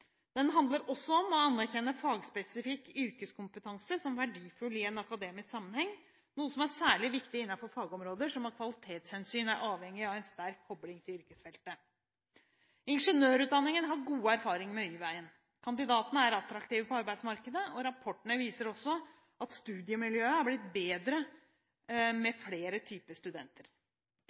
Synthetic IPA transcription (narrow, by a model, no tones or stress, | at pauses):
d̪̥ɛnɦɑnd̪ləɾɔsːɔɔmɔɑnːæɾçɛnːəfɑːɡspɛsɪfɪkːʏɾkəskʰʊmpət̪ʰɑŋsəsɔmʋæɖiːfʉlɪɛnɑkɑd̪eːmɪsksɑmːənhɛŋː | nuːəsɔmæɾsæːɭɪʋɪkt̪ɪɪnːɑfɔɾfɑːɡɔmɾoːd̪əʂɔmɑt̪̚kʰʋɑlɪt̪ʰeːt̪shɛnsyːnæɾʔɑːʋhɛŋːɪɑʋæɪnst̪æɾkʰːɔblɪŋt̪ʰɪlʏɾkəsfɛlt̪ə | ɪnʂənøːɾʉt̪d̪ɑnːɪŋənɦɑɾɡuːəæɾfɑːɾɪŋmɛyːʋæɪən | kʰɑnd̪ɪd̪ɑːt̪ənəæɾɑt̪ɾɑkt̪iːʋəpɔɑɾbæɪsmɑɾkəd̪əʔɔɾɑpʰɔʈːəɳəʋiːsəɾɔsːɔ | ʔɑt̪st̪ʉːd̪ɪəmɪljøːəæɾblɪt̪̚beːd̪ɾə | mɛfleːɾət̪ʰyːpəst̪ʉd̪ɛnt̪ʰəɾ